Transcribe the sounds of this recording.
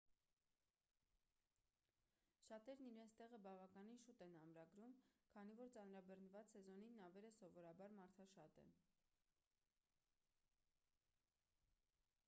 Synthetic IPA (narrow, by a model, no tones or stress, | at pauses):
ʃɑt̪ɛɾniɾɛnt͡sʰt̪ɛʁəbɑvɑkɑninʃut̪ɛnɑmɾɑɡɾumkʰɑnivɔɾt͡sɑnɾɑbɛɾnəvɑt͡ssɛzɔninːɑvɛɾəsɔvɔɾɑbɑɾmɑɾt̪ʰɑʃɑt̪ɛ̰n